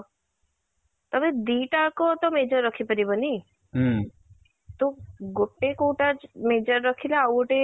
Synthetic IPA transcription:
t̪ɔbed̪iʈaɭkot̪ɔmed͡ʒɔɾːɔkʰipəɾibɔni | t̪oɡoʈːekuːʈad͡ʒmed͡ʒɔɾːɔkʰileawʈe

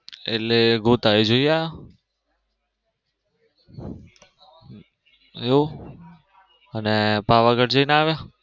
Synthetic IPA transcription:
ḛleɡoːt̪aːid͡ʒoiaːja | o | ənepaːʋaɡəʈd͡ʒəinaːʋjaː

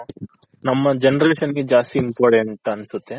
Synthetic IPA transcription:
nɐmːɐd͡ʒenɐɾeːʃɐnɡed͡ʒaːst̪iimpoːɾʈeɳʈɐnsut̪ːe̞

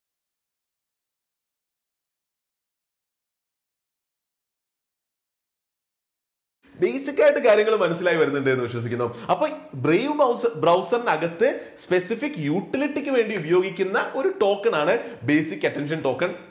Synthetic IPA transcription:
be̞ːsikʲːaːjiʈːɨkaːɾjɐŋːɐɭumːɐnɐsːilaːjiʋɐɾunːuɳɖɨenːɨʋiɕʋɐs̬ikʲːunːɐpːo̞ːbrejʋbrɐwsɐrnɐɣɐt̪ːɨspe̞sifikːɨjuːʈːiliʈːikʲːɨʋe̞ːɳɖiubɐjo̞ːɡikʲːunːɐʔo̞ɾuʈo̞ːkːɐɳaːɳɨbe̞ːsikʲːɐʈːenʂ̬ɐnʈo̞ːkːɐɳ

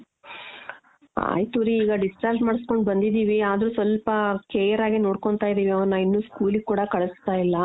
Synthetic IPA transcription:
a̰jt̪uɾiːɡɐɖisʈaːɾd͡ʒmaːɽisko̞ɳɖbɐnd̪id̪iːʋiaːd̪ɾuːsʋɐlpɐkeːjɐɾaːɡino̞ːɽko̞ɳt̪aːjd̪iːʋiɐʋɐnːɐinːuːskuːliɡ̚kːuːɽɐkɐɭɐst̪aːjilːɐ

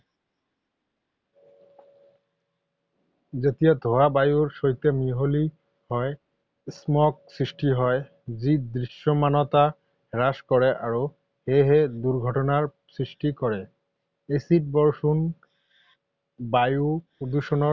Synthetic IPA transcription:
zet̪ijad̪ʱoabajuɹsoɦit̪emiɦoli | hɔe | smɔk̚sɹisʈiɦɔe | zid̪ɹiʃːɔmanɔt̪a | ɹaskɔɹɛʔaɹo | heɦed̪uɹɡʱɔʈɔnaɹ | sɹisʈikɔɹɛ | esit̚bɔɹsun | bajupod̪uʃɔnɔ

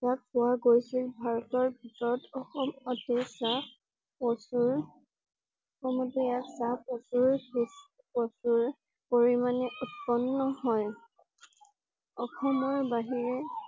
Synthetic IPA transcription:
jak̚pʊwaɡojsilbʱaɹɔtɔɹbʱitɔɹɔtɔxɔmɔtɛsa | ɔsuɹ | ɔxɔmɔtɛjaksapɔsuɹbis | pɔsuɹ | poɹimanɛʔutpɔnːɔhɔj | ɔkʰɔmɔɹbaɦiɹɛ

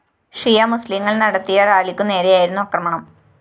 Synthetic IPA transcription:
ʂrijamusliŋːɐɭnɐɽɐt̪ːijɐraːlikʲːunːe̞ːɾejaːjiɾunːuɐkrɐmɐɳɐm

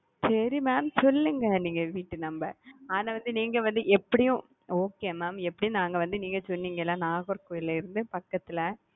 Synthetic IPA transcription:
sɛɾimaːmsɔlːɯŋɡɐniːŋɡɐʋiːʈːɯnɐmbɐaːnaːʋɐnd̪ɯniːŋɡɐʋɐnd̪ɯʔɛpːɐɽɪjʊ̃ | oːkeːmaːmɛpːɐɽɪjʊ̃naːŋɡɐʋɐnd̪ɯniːŋɡɐsɔnːiŋɡɐɛlːãːnaːɣɔɾkoːjɪlɐɪɾɯnd̪ɯpɐkːɐt̪ːɪlɐ

